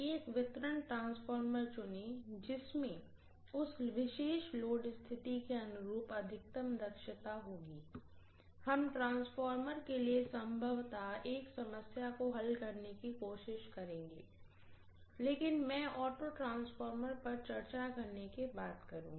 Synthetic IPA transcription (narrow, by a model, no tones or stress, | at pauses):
eːkʋɪt̪ɾəɳʈɾãːnsfɔːɾməɾt͡ʃʊned͡ʒɪsmẽ | ʊsʋɪʃeːʃloːɖst̪ʰɪt̪ikeɐnʊɾuːpɐd̪ʱɪk̚t̪əmd̪ɐkʃət̪aɦoːɡiː | hɐmʈɾãːnsfɔːɾməɾkeliesɐ̃mbʱəʋt̪aeːksɐməsjakoɦɐlkɐɾnekikoːʃɪʃkɐɾẽːŋɡḛː | leːkɪnmɛ̃ːʔɔːʈoʈɾãːnsfɔːɾməɾpɐɾt͡ʃɐɾt͡ʃakɐɾnekebaːt̪kɐɾũːɡi